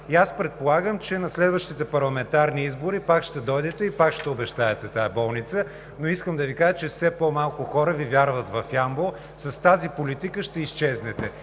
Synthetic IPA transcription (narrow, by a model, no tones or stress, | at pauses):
iaspɾɛt̪̚polˠaɡəmt͡ʃɛnɐslɛd̪vəʃt̪it̪ɛpɐɾlˠɐmɛnt̪aɾniizbʊɾipakʃt̪ɛd̪ɔjd̪ɛt̪ɛipakʃt̪ɛobɛʃt̪aɛt̪ɛt̪aɐbɔlˠnit̪sə | noiskəmd̪ɐvikaʒət͡ʃɛfsɛpɔmalˠkʊxɔɾəvivʲjaɾvɐt̪vɐfjambo | sɐst̪azipolit̪ikəʃt̪ɛist͡ʃɛznɛt̪ɛ